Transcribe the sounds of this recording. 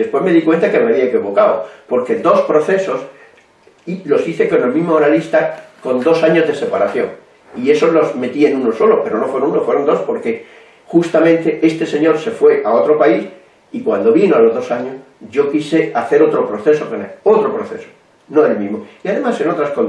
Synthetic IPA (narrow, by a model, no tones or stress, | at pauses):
ðe̞spwe̞zme̞ðikwe̞nt̪akemeaβiaekiβo̞kaopo̞ɾke̞d̪o̞spɾo̞θe̞so̞s | ilo̞siθe̞ko̞ne̞lmĩzmoanalist̪ako̞nd̪o̞saɲo̞zðe̞se̞paɾaθjo̞ŋ | ie̞so̞zlo̞zme̞t̪ie̞nũno̞so̞lo̞pe̞ɾo̞no̞fwe̞ɾonũnofwe̞ɾond̪ospo̞ɾke̞ | xust̪amẽ̞nt̪e̞ʔe̞st̪e̞se̞ɲo̞ɾse̞fwe̞ʔao̞t̪ɾo̞pais | ikwand̪o̞βinoalo̞zðo̞saɲo̞s | ʝo̞kiseaθe̞ɾo̞t̪ɾo̞pɾo̞θe̞so̞koneot̪ɾopɾoθe̞̰so̥ | noe̞lmĩzmo̞iaðe̞mase̞no̞t̪ɾaskon